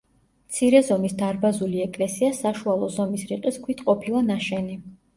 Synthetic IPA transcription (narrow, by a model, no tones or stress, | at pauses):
mt̪sʰiɾɛzɔmisd̪aɾbazuliɛkʼlɛsiasaʃualˠɔzɔmisɾiqʼiskʰwit̪ʰqʼɔpʰilˠanaʃɛni